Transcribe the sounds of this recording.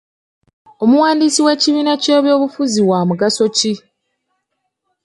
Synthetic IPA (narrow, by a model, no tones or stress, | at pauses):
o̞muwaːndisiwe̞ːciβiːnace̞ːβjo̞ːβufuziwaːmuɡaso̞ci